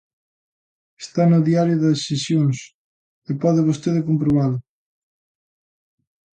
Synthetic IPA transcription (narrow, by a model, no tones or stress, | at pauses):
e̥st̪anʊðiaɾjʊðɐːesjoŋs | epɔðɪβ̞ost̪eðɪkompɾoβalʊ